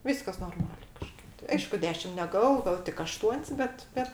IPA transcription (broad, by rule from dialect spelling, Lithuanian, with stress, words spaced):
ˈʋʲiːskɐs noːrˈmɑːlʲeː kɐˈʃkɐɪp tɐɪ ˈɐɪʃkʊ ˈdʲæːʃʲɪm nʲɛˈɡɑːʋoː ˈɡɑːʋoː tʲɪk ɐˈʃtuɔnʲsʲ ˈbʲɛt ˈbʲɛt